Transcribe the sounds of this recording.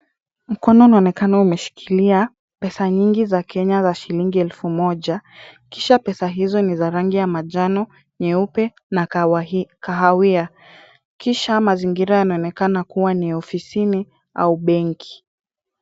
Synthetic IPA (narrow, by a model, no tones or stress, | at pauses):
m̩kɔnɔunaɔnɛkanaumɛʃi̥kʰilia | pɛsaɲiŋɡizakʰɛɲazaʃiliŋɡiɛlfumɔʄakiʃapɛsaɦizɔnizaɾaŋɡijamaʄanɔ | ɲɛupɛ | na | kaɦawia | kiʃamaziŋɡiɾajanaɔnɛkanakuwaniɔfisini | a̰uɓɛŋkʰi̥